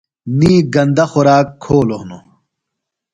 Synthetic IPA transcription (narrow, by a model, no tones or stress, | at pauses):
niːɡɐnd̪ɐxoɾaːkʰːoːloɦno